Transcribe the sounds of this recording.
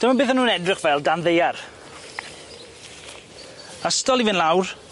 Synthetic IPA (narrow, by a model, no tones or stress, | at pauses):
d̥əmanbɪːθanuːnɛdrɪχvɛlˠdanðejar | astɔlˠivɪnlˠawr